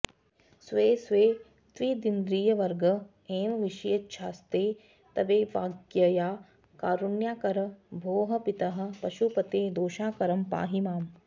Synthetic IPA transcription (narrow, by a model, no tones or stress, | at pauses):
sʋeːsʋeː | t̪ʋiːd̪ind̪ɾiːjɐʋɐɾɡɐ | eːmʋiʃɐjɐtʃʰaːst̪eː | t̪ɐʋeːʋaːɡjɐjaː | kaːɾunjaːkɐɾɐbʱoːɦɐ̆pit̪ɐɦɐ̆pɐʃupɐt̪eːd̪oːʃaːkɐɾɐmpa̰ːɦimaːm